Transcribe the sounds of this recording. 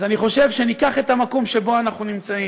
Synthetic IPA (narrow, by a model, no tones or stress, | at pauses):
zaniχo̞ʃe̞vʃenikaχe̞tamako̞mʃe̞bo̞anaχnunimt͡sai